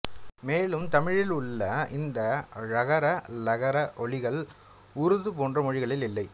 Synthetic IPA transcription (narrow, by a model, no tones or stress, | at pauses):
meːlɯmt̪ɐmɪɻɪlʊɭːɐɪnd̪ɐɻɐɣɐɾɐlɐɣɐɾɐʔɔɭɪɣɐɭ | ʊɾɯðɯpoːndrɐmɔɻɪɣɐɭɪlɪlːɐɪ